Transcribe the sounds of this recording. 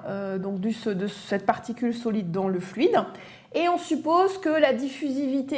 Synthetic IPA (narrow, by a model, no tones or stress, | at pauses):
ød̪ɔ̃k̚d̪ysəd̪əsɛt̪̚paʁt̪ikʲylsɔlid̪ːɑ̃ləflɥid̪ | eɔ̃sypozkəlad̪ifyzivit̪e